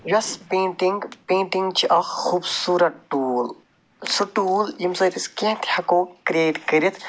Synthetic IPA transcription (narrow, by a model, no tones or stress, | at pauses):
jɐspẽːɳʈiŋɡpẽːɳʈiŋɡt͡ʃʰiʔɐxubsuːɾɐʈʈuːl | suʈuːljimsɐt̪iskẽt̪ʰhɐkoːkɾieːʈkəɾit̪ʰ